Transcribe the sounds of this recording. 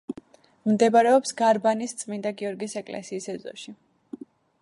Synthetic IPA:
md̪ɛbaɾɛɔpsɡaɾbanist̪sʼmind̪aɡiɔɾɡisɛkʼlɛ̰siːsɛzɔ̰ʃi

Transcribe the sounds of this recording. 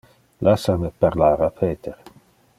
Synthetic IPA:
lʔasamepaɾlaːɾapʰeːt̪ʰeɾ

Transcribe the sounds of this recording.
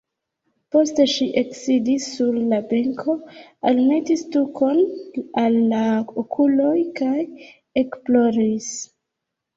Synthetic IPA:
po̞ste̞ʃiʔeksidisːuɾlabeŋkʰo̞alme̞tistukʰo̞nalːaokʰulo̞jkaj | e̞kplo̞ɾis

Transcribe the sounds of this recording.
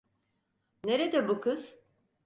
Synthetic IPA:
neɾed̪ɛbukʰɯz̥

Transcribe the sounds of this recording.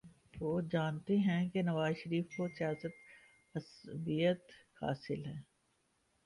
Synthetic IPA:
ʋoːd͡ʒaːnt̪eɦɛ̃kenɐʋaːzʃɐɾiːfkosijaːsət̪ | ɐsbijət̪ha̰ːsɪlɦɛː

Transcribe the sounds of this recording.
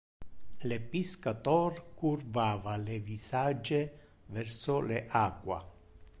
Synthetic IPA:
lepiskat̪ɔrkurvaːvalevisad͡ʒe | vɛrsʊleʔakwa̰

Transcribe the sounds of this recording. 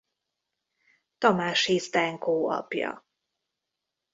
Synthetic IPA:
t̪ɒmaːʃizd̪ɛŋkoːɒ̰pjɒ̰

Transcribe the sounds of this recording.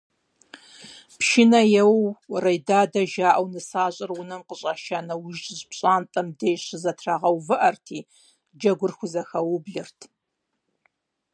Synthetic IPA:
pʃinɐjɛwrɐjdaːdɐʒaːʔɐwnɨsaːɕʼɪrwʊnɨmqəɕʼaːʃaːnɐwʊʒtʼzpɕʼaːntʼɐmdeːjɕɪzɐtʰraːʁɐwvɨʔɐrtʰiː | d͡ʒɐɡʷʊrxʷʊzɐxɐwʊbɮɨrtʰ

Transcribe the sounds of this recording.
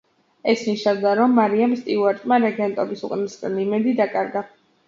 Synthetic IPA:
ɛsniʃavd̪aɾɔmːaɾiamst̪ʼiuwaɾt̪ʼmaɾɛɡɛnt̪ʼɔbisuqʼnisɡʼanimɛd̪id̪akʼaɾɡa

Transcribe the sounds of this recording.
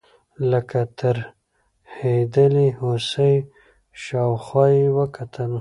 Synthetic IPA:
ləkat̪ʰəɾ | hed̪əlihosəj | ʃɑwxwɑjiwəkat̪ʰəl

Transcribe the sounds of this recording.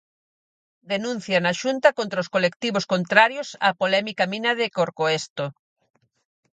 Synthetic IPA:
d̪enũn̟θjanaʃunt̪ɐkont̪ɾaoskolekt̪iβoskont̪ɾaɾjosa̰polɛmikamĩnɐðekoɾkoest̪o

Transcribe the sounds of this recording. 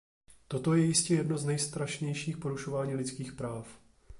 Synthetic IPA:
t̪o̞t̪o̞jɛjɪscɛjɛdno̞znɛjst̪ɾaʃɲɛjʃiːxpoɾuʃo̞vaːɲiːlɪt͡skiːxpɾaːf

